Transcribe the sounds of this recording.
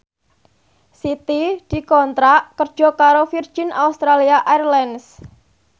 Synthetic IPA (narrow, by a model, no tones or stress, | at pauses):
sit̪id̪̥i̤kɔnt̪ɾaʔkərd̥ʒ̥ɔ̤kaɾofird̥ʒ̥ɪnʔa̰ust̪ɾaliaʔarlɛns